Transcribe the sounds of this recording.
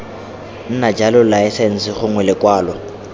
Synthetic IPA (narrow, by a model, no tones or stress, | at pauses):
n̩nad͡ʒalʊlaɪsen̩sɪχʊŋwɛlɪkʼwaːlɔ